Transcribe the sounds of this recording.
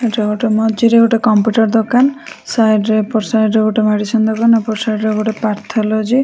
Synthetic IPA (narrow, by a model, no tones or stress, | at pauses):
eʈeɡoʈemɔd͡ʒiɾeɡoʈekɔmpuʈɔɾd̪ɔkansajɖɾepɔɾsajɖɾeɡoʈemaɽit͡ʃʰɔnd̪ɔkanepɔɾsajɖɾeeɡoʈepaɾt̪ʰɔlɔd͡ʒi